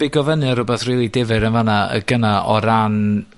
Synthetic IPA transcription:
ɪɡɔvənɨaɾʊbɛθriːlˠidɪvɨɾənvanaə̰ɡənaʔɔɾan

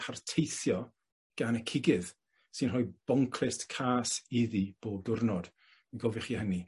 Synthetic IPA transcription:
pʰartʰejθjɔ | ɡ̥anəkʰɪɡɪð | sɨnrɔjb̥ɔŋkʰlɪstkʰaːsɪðib̥oːb̚dʊrnɔd̥ | ɡɔvɪχiːhəni

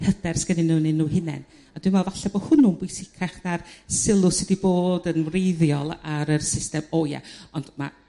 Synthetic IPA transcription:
hədɛrsɡ̥ənɪnuːnɪnːuːhɪnɛ̰n | ad̥wɨmvɛlˠvaɬɛbo̥hʊnʊnbwʊɨsɪkʰaχnarsɪlˠʊsɪdiboːdənvrejðjɔlˠaɾərsɪstɛmoja̰ɔnd̥ma̰

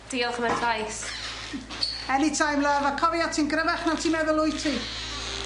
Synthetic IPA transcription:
d̥iːɔlˠχəmɛntʰajs | ɛnitʰajmləvakʰɔvijatʰinɡɾəvɛχnawtʰiːmɛðəlˠʊjtʰi

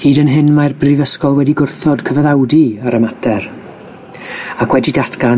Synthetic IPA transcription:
hiːdənɦɪnmarbrivəskɔlˠwɛdiɡʊrθɔdkʰəvaðawdiaɾəmatʰɛɾ | akʰwɛdidatʰɡa

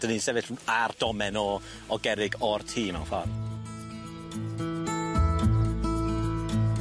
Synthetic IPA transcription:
d̥ənisɛvɪɬard̥ɔmɛnɔ | ɔɡɛɾɪɡɔrtʰiːma̰wfɔr

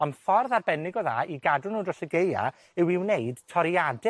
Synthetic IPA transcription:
ɔnfɔrðarbɛnɪɡɔða̰ːiɡadʊnuːdrɔsəɡeja̰ | ɪwiwneɨd̥tʰɔɾjadɪ

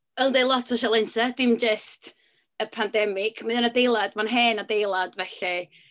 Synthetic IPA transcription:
əlˠdejlˠɔtʰɔʃalˠɪnsad̥ɪmd͡ʒəst | əpʰandɛmɪkʰmaðɔnadejlˠad̥manɦɛːnadejlˠadvɛɬi

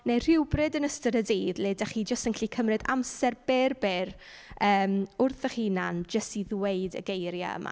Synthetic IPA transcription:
ner̥ɪwbrɨdənəstəɾədiːðlɪdaχiːd͡ʒəstənkʰɬikʰəmrɨda̰msɛrb̥ɛrbɛr | əːmʊrθəχiːnand͡ʒəstiðweɨdə̰ɡejɾja̰ə̰ma̰

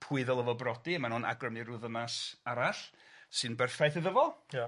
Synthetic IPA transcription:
pʰuɨðɛlˠəvɔbrɔdimanuna̰ɡrəmiɾʊðəmasaɾaɬsɨnbɛrfajθɨðəvɔlˠja

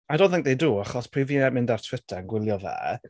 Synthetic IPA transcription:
adɔ̃nθɪ̃ŋk̚ðejduːaχɔspʰriːviɛmɪ̃ndartʰw̥ɪtʰɛənɡwɪlˠjɔvɛ̰ː

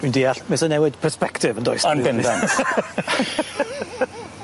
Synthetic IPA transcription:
indiːaɬmɪsɔnɛwɪdpʰərspɛktʰɪvəndɔ̰jsɔnbɪndan

